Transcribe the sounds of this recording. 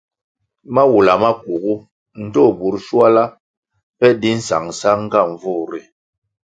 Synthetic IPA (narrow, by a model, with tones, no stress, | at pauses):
ma˦wu˨la˨ma˦k̚u˨ɡu˦ | n̩˨tɔ˦˨bu˨ɾʃwa˦la˦ | pɛ˦di˦n̩˦sa̰˨ŋsa˦ŋ̩˦ɡa˦˨ɱ˨vu˦˨ɾi˨